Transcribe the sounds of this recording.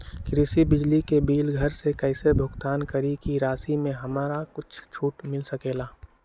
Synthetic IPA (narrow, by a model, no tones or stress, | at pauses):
kɾɪsibɪd͡ʒlikebiːlɡʱɐɾsekɐɪsebʱʊɡt̪aːnkɐɾikiɾaːsimẽɦɐmaːɾakʊt͡ʃʰt͡ʃʰuːʈmɪlsɐkeːlaː